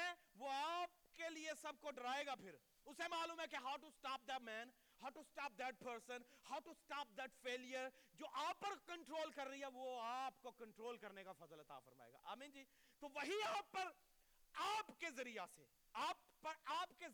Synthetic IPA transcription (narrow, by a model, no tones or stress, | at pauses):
ɛ̃ʋoaːp̚keliesɐb̚koɖɾaːeːɡapʰɪɾ | ʊsemaːluːmɦɛ̃keɦaːʊʈusʈaːp̚d̪ɛʈmɛ̃ːn | ɦaːʊʈusʈaːp̚d̪æʈ̚pəɾsə̃nhaʊʈusʈaːp̚d̪ɛʈfeːlijəɾd͡ʒoːʔaːpːɐɾkɐ̃ɳʈɾoːlkɐɾːɐɦiɦɛʋoaːpkokɐ̃ɳʈɾoːlkɐɾnekafɐzəlɐt̪a̰ːfɐɾma̰ːḛːɡa̰ːʔa̰ːmĩːnd͡ʒiː | t̪oʋɐɦiaːpːɐɾ | aːpkezɐɾijase | aːpːɐɾaːpke